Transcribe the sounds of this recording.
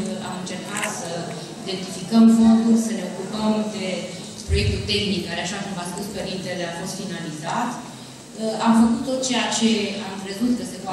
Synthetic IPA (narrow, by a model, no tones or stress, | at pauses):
a̰mɨnt͡ʃe̞rkat̪sə | id̪e̞nt̪ifikəmfo̞nd̪ulʲsəne̞o̞kupəmd̪e̞ | pɾo̞je̞k̚t̪ut̪e̞xnikkaɾeaʃakumvaspuspeɾint̪eleafo̞st̪finalizat̪ | əamfəkut̪̚t̪ːo̞t̪̚t͡ʃe̞jat͡ʃe̞amkɾe̞zut̪kəse̞voa